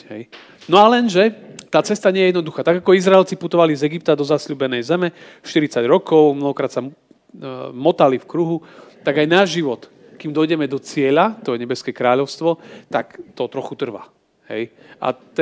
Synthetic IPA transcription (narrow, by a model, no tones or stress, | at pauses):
ɦɛj | nɔalɛnʒɛt̪aːt͡sɛst̪aɲɪɛjɛjɛd̪nɔd̪uxaːt̪aɡakɔizɾaɛlt͡siput̪ɔʋalizɛɡip̚t̪ad̪ɔzasʎuːbɛnɛjzɛmɛ | ʃt̪iɾit͡saɟɾɔkɔʊmnɔɦɔkɾaːt̪sa | mɔt̪alifkɾuɦut̪aɡajnaːʒiʋɔt̪ | kimd̪ɔjɟɛmɛd̪ɔt͡sɪɛʎat̪ɔjɛɲɛbɛskɛkɾaːʎɔʊst̪ʋɔt̪akt̪ɔt̪ɾɔxut̪r̩ʋa̰ | ɦɛj | ʔa̰t̪